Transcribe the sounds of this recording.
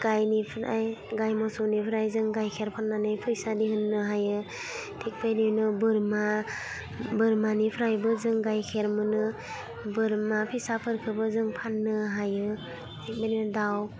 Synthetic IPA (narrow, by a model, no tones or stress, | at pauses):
ɡ̥ajnipʰɯɾajɡajmɔsɔnipʰɯɾajzɯŋɡajkʰeɾpʰanːanɯjpʰɯjsadiɦɯnːɯɦajɯ | tʰik̚bajnijnɯbɯɾma | bɯɾmanipʰɯɾajbɯzɯŋɡajkʰeɾmɯnɯ | bɯɾmapʰisapʰɯɾkʰɯbɯzɯŋpʰanːɯɦajɯ | tʰik̚bajndaw